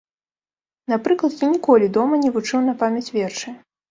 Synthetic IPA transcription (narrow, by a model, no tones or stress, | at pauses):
napɾɨklˠɐt̪jʲanʲikɔlʲid̪ɔmɐnʲɛvut͡ʂɨwn̪ɐpamʲɐt͡sʲvʲɛrt͡ʂɨ